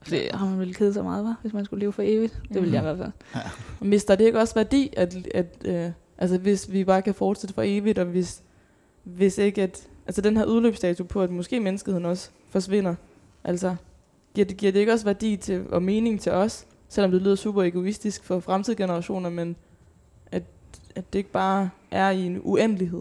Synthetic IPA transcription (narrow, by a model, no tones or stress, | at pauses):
fɒd̥ḭhɑ̈mænʋelkʰeð̞̩ˠsɒmɑ̈ːðˠʋɑʋe̝smænsɡ̥ule̝ːʊfɒ̽e̝ːʋid̥d̥e̝ʋeljɑiʋæɐfæl̰mʋe̝sd̥ɑd̥ee̝ɡ̥əɒ̽sʋæɐd̥ḭːæd̥æd̥ø | ʔælsɐʋe̝sʋib̥ɑ̈ːkʰæfɒːd̥sed̥əfɒ̽e̝ːʋid̥ɒ̽ʋe̝s | ʋe̝se̝ɡ̥əæd̥ʔælsəd̥enɦæɐuð̞ˠløːb̥sd̥ɛːt͡sʰupʰɒ̽æd̥mɔ̽sɡ̥e̝̰ːmenəsɡ̥əð̩eð̰ˠn̩ɒ̽s | fɒ̽sʋe̝n̰ɐ | ʔæl̰sɐ | ɡ̥iɐ̰deɡ̥iɐ̰d̥e̝e̝ɡ̥ɒ̽s̬ʋæɐd̥ḭːt͡sʰe̝ɒ̽me̝ːne̝ŋt͡sʰe̝ʔɒ̽sː | el̰ɒ̽md̥e̝ly̰ːð̰ˠɐsṵːb̥ɐe̝ɡ̥o̝isd̥isɡ̥fɒ̽fʁamt͡sʰið̞̰ˠɡ̥e̝nɐʁɑ̈ɕo̝̰ːnɐmen | ʔæd̥æd̥e̝e̝ɡ̥b̥ɑ̈ː | ʔæɐie̝nuen̰liɦe̝ð̰ˠ